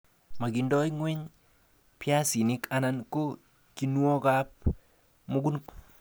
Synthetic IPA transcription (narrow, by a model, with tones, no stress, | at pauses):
ma˨ɡi˨ndɔ˦jŋwe˦ɲ | pja˦si˨nɪ˦ka˦na˦nko˦ | ki˦nwɔ˦ka˦p̚ | mo˦ɡu˦n